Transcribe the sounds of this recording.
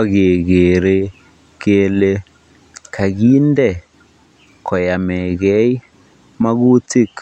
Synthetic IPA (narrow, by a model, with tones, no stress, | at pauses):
a˦ɣe˨ɣe˨ɾe˦ | ke˦le˦ | kʰa˨ɣi˦ndɛ˦˨ | kʰɔ˨ja˨mɛ˨ɣɛ˦i˦ | ma˦ɣu˦ti˦k